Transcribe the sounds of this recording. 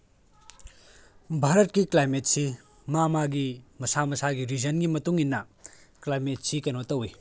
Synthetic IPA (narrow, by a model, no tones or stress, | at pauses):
bʱaɾɐt̚kiklajmet̚si | mamaɡimɐsamɐsaɡiɾid͡ʒɐnɡimɐtuŋinːɐ | klajmetsikɐnotɐwi